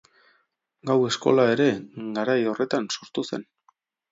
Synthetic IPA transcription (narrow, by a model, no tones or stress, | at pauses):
ɡawe̞sko̞̰lae̞ɾe̞ɡaɾajo̞rʔe̞t̪anso̞ɾt̪use̞̰n